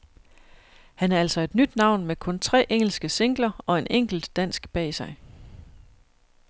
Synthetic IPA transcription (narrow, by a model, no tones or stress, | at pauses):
hænæɐæl̰sɒ̽e̝d̥nyd̥nɑ̈ʊ̰nmekʰɔ̽nt͡sʰʁɛ̰ːʔeŋ̰l̩sɡ̥əse̝ŋ̰ɡ̥lɐɒ̽e̝nʔeŋ̰ɡ̥l̩d̥ːæn̰sɡ̥b̥ɛ̰ːsɑ̈ɪ